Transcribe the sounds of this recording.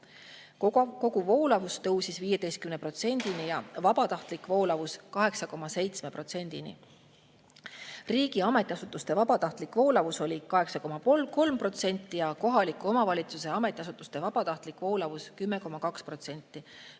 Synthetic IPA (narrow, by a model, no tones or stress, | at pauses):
ko̞ɡuvo̞ːlɑvust̪ɤwsisviːje̞d̪e̞jst̪̚kymnepro̞t̪se̞nʲd̪̥inijɑvɑbɑt̪ɑht̪likːˑvo̞ːlɑvuskɑɦe̞ksɑko̞mːɑse̞jt̪sme̞pro̞t̪se̞nʲd̪̥inḭ | riːɡiɑme̞t̪ːˑiɑsut̪ːˑust̪e̞vɑbɑt̪ɑht̪likːvo̞ːlɑvuso̞lʲikɑɦe̞ksɑko̞mːɑpolko̞lmpro̞t̪se̞nʲt̪ːijɑko̞ɦɑlikːˑuo̞mɑvɑlʲit̪suse̞ɑmet̪ʲːˑiɑsut̪ːˑust̪e̞vɑb̥ɑt̪ɑht̪likvo̞ːlɑvuskymːe̞ko̞mɑkɑkspro̞t̪se̞nʲt̪ːˑi